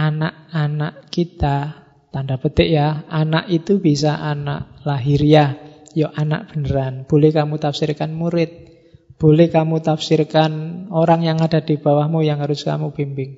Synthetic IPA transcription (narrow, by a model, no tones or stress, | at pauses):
ʔanaʔanaʔkit̪a | t̪andab̥ət̪ɪʔjaanaʔit̪ub̥isaʔana̰ʔlaɦiɾiajɔʔana̰ʔb̥ə̤nəɾanb̥o̤lɛhkamut̪afsirkanmuɾɪt̪̚ | b̥olɛhkamut̪afsiɾkanoɾaŋjaŋad̥a̤d̪̥i̤b̥a̤wahmujaŋhaɾʊska̰mub̥imbɪŋ